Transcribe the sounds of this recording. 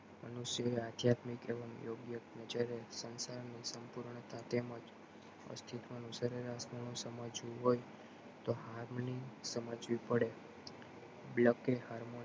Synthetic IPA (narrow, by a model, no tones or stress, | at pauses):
mənusjəead̪ʱjat̪mikḛʋəmjoɡjəknəd͡ʒaɾesənsaɾnisəmpuɾɳət̪ʰat̪emə̃d͡ʒ | ə̰st̪ʰit̪ʋanũsəɾeɾasmənũsəmad͡ʒʋũɦoj | t̪ohaɾmnisəməd͡ʒʋipəɽe | bləkehaɾmo